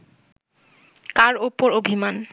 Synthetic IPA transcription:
kaɾupoɾobʱiman

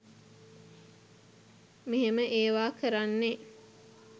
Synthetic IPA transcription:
miɦeməʔeːʋaːkəɾanːe

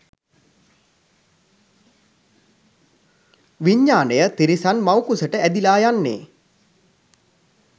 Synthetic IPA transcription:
ʋiɲːaːnəjət̪iɾisanmawkusəʈəæd̪ilaːjanːḛː

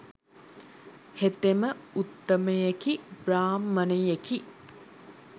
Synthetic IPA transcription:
het̪eməut̪ːəməjekibraːmːənəjeki

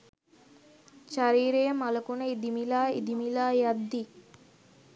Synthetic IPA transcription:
ʃaɾiːɾejəmaləkunəid̪imilaːḭd̪imilaːjad̪ːi

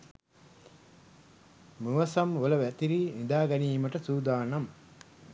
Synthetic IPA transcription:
muʋɐsɐmʋolɐʋæt̪iɾinid̪aːɡɐniːmɐʈɐsuːd̪aːnɐm

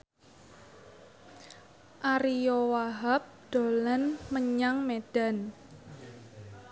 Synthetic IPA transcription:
ʔaɾijowaɦap̚d̪̥o̤lənməɲaŋmed̥a̤n

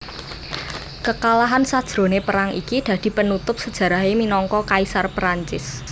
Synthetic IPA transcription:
kəkalaɦansad̥ʒ̥ɾo̤nepəɾaŋʔḭkid̪̥ä̤d̪̥i̤pənut̪ʊp̚səd̥ʒ̥ä̤ɾa̤ɦeminɔŋkɔkaisarpɾaɲt͡ʃɪs

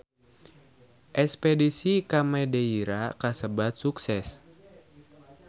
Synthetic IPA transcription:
ʔɛspɛdisikamɛdeiɾakasəbat̪̚suksɛs

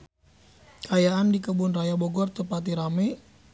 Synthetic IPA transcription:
kʰajaandikəbʊnrajaboɡɔrt̪upat̪̬iɾame

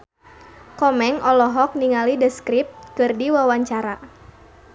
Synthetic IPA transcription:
kɔmɛŋʔɔlɔɦɔk̚niŋalidəskɾip̪̚kɨrdiwawaɲt͡ʃaɾa

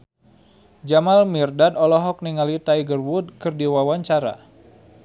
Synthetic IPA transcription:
d͡ʒamalmirdadɔlɔɦɔk̚niŋalit̪ajɡərwud̪̚kɨrdiwawaɲt͡ʃaɾa̰

